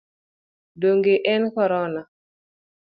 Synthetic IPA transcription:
doŋɡeʔɛnkɔɾɔna

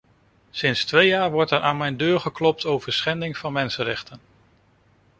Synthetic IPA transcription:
sɪnstʋejaːɹʋɔɹtɛɹʔaːnmɛjndøːɹχəklɔp̚towv̥əɹsχɛndɪŋv̥ɑnmɛnsənɾɛχtən

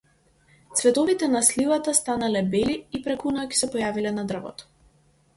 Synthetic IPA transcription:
t̪svɛt̪ɔvit̪ɛnaslivat̪ast̪analɛbɛliːpɾɛkunɔɔki̥sɛpɔjavilɛnad̪r̩vɔ̰t̪ɔ̥

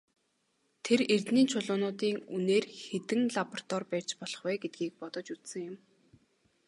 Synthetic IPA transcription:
t̪ʰerert̪niːnt͡ɕʰʊɮʊːnʊːt̪iːŋuneːrxet̪ɘ̆ŋɮapɔrt̪ɔrpæːr̥ʲt͡ɕpɔɮ̥ɞ̆χwæːɡet̪̚ɡiːk̚pɔt̪ɞ̆t͡ɕut̪sɘ̆ŋjʊm

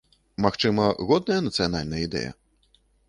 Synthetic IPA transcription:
maxt͡ʂɨmɐɣɔd̪̚nɐjɐnɐt̪sɨjanalʲnɐjəid̪ɛ̰jɐ̰

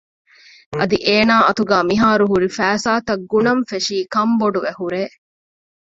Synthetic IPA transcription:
ʔɐd̪iʔeːnaːʔɐt̪uɡæːmiɦaːɾuɦuɾifæːsaːt̪ɐɡːunɐɱfeʂiːkɐmboɖuʋehuɾeː

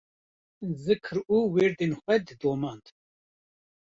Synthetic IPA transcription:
zɨkʰɨɾuːweːɾd̪enxʷɛd̪ɨd̪oːmɑːnd̪

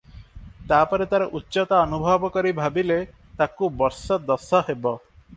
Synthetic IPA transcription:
t̪apɔɾet̪aɾeʔutːʃɔt̪aɔnubʱɔbɔkɔɾibʱabile | t̪akubɔɾsɔd̪ɔsɔɦebɔ

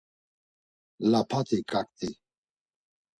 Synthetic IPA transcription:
lapʰat̪ikak̚t̪i

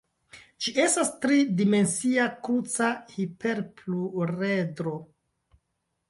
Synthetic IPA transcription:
d͡ʒiʔe̞stastɾidime̞nsiakut͡sahipeɾpluɾedɾo̞

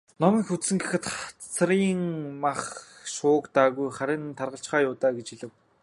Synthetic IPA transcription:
nɔmiːŋxut̪sɘ̆ŋɡixɘ̆t̪t͡st͡s̆ʰriːŋmaχʃʊːkt̪aːɣujχaɾʲɪ̆nt̪ʰarʁə̆ɬt͡ɕχaːjʊːt̪aːɡet͡ɕxiɮɘ̆w

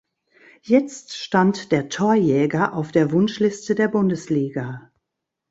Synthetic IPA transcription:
jɛt͡stʃtantd̥eːɐtʰoːɐjɛːɡɐʔaʊfd̥eːɐvʊnʃlɪstədeːɐbʊndəsliːɡa

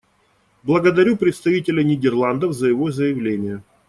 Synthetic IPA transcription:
blˠəɡəd̪ɐɾʲupɾʲɪt̪st̪ɐvʲitʲɪlʲənʲɪdʲɪrlˠand̪əfzəjɪvo̞zəjɪvlʲenʲɪjə

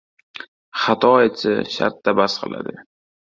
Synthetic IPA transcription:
χat̪ʰɒet͡sʰɪ̰ʃa̰ɾt̪ːabasqʰɨ̰lˠa̰d̪ɪ

